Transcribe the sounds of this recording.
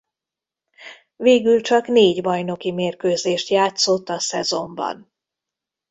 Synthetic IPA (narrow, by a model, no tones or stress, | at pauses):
veːɡylt͡ʃɒkneːɟbɒjno̞kimeːrkøːzeːʃt̪jaːt̪so̞t̪ːɒsɛzo̞mbɒ̰n